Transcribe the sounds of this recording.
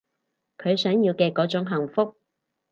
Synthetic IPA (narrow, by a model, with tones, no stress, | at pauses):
kʰɵ˨˧ɥsœː˨˥ŋjiː˧wkɛː˧kɔː˨˥t͡sʊ˨˥ŋɦɐ˨˩ŋfʊ˥k̚